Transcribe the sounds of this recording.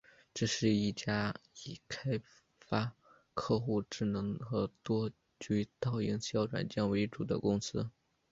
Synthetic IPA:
ʈ͡ʂɤ˥˧ʂɻ̩˥˧i˥˩t͡ɕja˥i˨˩kʰa˥ɪ | fa˥ | kʰɤ˥˧xu˥˧ʈ͡ʂɻ̩˥˩nɤ˧˥ŋxɤ˧˥t̪wɔ˥ | t͡ɕy˥t̪ɑ˥˩ʊi˧˥ŋɕjɑ˥ʊʈ͡ʂwa̰˨˩nt͡ɕjɑ˥˩nwe˧˥ɪʈ͡ʂu˨˩d̪ə̰˦kʊ˥ŋsɹ̩˥

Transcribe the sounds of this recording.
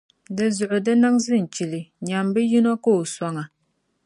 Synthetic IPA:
dɨ˨zʊ˨ʔʊ˨dɨ˦na˦ŋzɨ˦n̩˨t͡ʃi˨lɪ˨ɲa˨mbɨ˦ji˦nɔ˦ko˦˨o˨sa˦ŋa˨

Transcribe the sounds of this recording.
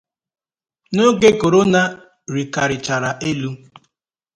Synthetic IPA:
no˦ɡe˦ko˨ɾo˦na˦ | ɾi˨ka˨ɾɪ˨t͡ʃa˨ɾa˨ʔe˦lu˦

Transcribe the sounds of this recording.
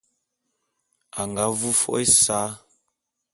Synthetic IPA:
a˨ŋɡa˨˦vu˦fɔ̰˦ʔe˦sa˨˦

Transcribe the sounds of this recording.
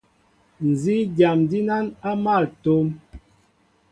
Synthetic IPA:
n̩˨zi˦ɡja˨mdi˦na˦na˦ma˦˨lto˦m

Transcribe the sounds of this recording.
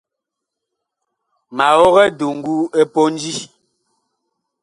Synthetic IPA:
ma˨ɣɔ˦ɣɛ˦du˨ŋ̩˦ɡu˦e˦po˦n˦d͡ʒi˦

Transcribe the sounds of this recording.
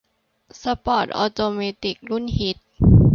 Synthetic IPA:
sa˧pɔː˨˩t̪̚ʔɔː˧t̪oː˧meː˧t̪i˨˩k̚lu˥˩˨nhi˨˦t̪̚

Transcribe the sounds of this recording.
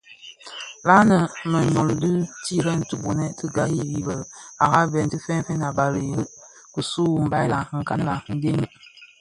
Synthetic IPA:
la˦nə˨mə˨ɲɔ˨ldɨ˦ti˦˨ɾɛ˦n̩˦tu˨bu˨nɛ˦tə˦ɡa˨ji˦˨ji˨bə˨la˨ɣa˦vɛ˨n˨ti˦fɛ˦n˦fɛ˦na˨ba˨ɾi˨ɾə˦ʔ | ku˨su˦˨m˨ba˨la˨˦ŋ̩˨ka˦n˦la˨˦ŋ̩˦ɡe˦n˦

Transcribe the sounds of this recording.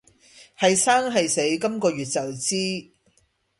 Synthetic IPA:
hɐ˨jsaː˥ŋɦɐ˨jse˨˥jkɐ˥mkɔː˧ɥyː˨t̚t͡sɐ˨wt͡siː˥

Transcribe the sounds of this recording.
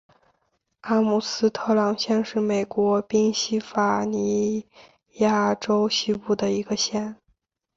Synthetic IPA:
a˥mu˨˩sɹ̩˥t̪ʰɤ˥lɑ˧˥ŋɕjɛ˥˧nʂɻ̩˥˩me˨˩ɪkwɔ˧˥pi˥ŋɕi˥fa˨˩ni˧˥ | ja˥˩ʈ͡ʂo˥ʊɕi˥pu˥˩d̪ə˩i˧˥ɡə˧ɕjɛ˥˩n

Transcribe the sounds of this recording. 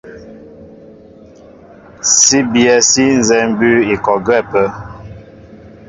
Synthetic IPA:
si˦bjɛ˨si˦n˨zɛ˨m˦bʉ˦i˨kɔ˨ɡwɛ˦˨pə˦

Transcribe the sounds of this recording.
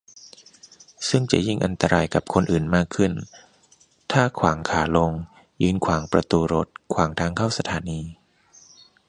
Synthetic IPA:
sɯ˥˩ŋt͡ɕa̰˨˩ʔji˥˩ŋʔa˧nt̪a˧ɾaː˧jka˨˩p̚kʰo˧nʔɯː˨˩nmaː˥˩kʰːɯ˥˩n | t̪ʰaː˥˩kʰwaː˩˦ŋkʰaː˩˦lo˧ŋ | jɯː˧nkʰwaː˩˦ŋpɾa˧t̪uː˧ɾo̰˦˥t̪̚kʰwaː˩˦ŋt̪ʰaː˧ŋkʰa˥˩wsa˧t̪ʰaː˨˩˦niː˧

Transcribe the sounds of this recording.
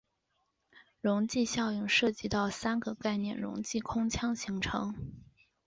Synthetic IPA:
ɻʊ˧˥ŋt͡ɕi˥˧ɕjɑ˥˧ʊy˥˩ŋʂɤ˥˩t͡ɕi˧˥t̪ɑ˥˩ʊsa˥nɡə˧ka˥˧ɪnjɛ˥˩nɻʊ̰˧˥ŋt͡ɕi˥˩kʰʊ˥ŋt͡ɕʰjɑ˥ŋɕi˧˥ŋʈ͡ʂʰɤ̰˧˥ŋ

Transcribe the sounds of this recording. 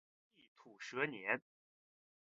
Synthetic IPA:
i˥˩t̪ʰu˨˩ʂɤ˧˥njɛ˧˥n

